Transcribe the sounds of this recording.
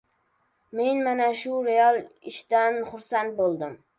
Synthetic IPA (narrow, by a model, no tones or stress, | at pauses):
me̞nmanaʃʊɾealˠɪʃt̪anχʊɾsant̪̚bolˠd̪ɪm